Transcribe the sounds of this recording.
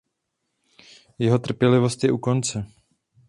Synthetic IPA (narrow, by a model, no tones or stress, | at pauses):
jɛɦo̞t̪r̩pjɛlɪvo̞st̪jɛʔuko̞nt͡sɛ